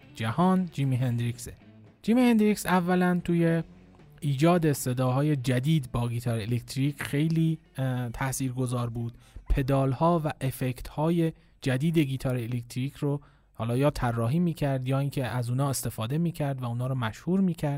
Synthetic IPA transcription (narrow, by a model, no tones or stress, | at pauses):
d͡ʒæhɒːnd͡ʒiːmiɦend̪ɾikse | d͡ʒiːmihend̪ɾicsævːælænt̪ʰuːje̞ | iːd͡ʒɒːd̪e̞se̞d̪ɒːɦɒːje̞d͡ʒæd̪iːd̪bɒːɡiːt̪ʰɒːɾeelekt̪ʰɾicʰxe̞jliː | t̪ʰæsiːɾɡo̞zɒːɾbuːd̪̥pʰe̞d̪ɒːlhɒːvæʔefecʰt̪hɒːje | d͡ʒæd̪iːd̪e̞ɡiːt̪ʰɒːɾeelek̚t̪ʰɾiːcʰɾo | hɒːlɒːjɒːt̪ʰærːɒːɦiːmiːcʰæɾd̪jɒːiːŋcʲʰeʔæzuːnɒːe̞st̪e̞fɒːd̪e̞miːcʰæɾd̪væuːnɒːɾɔmæʃhuːɾmiːcʰæɾd̪̥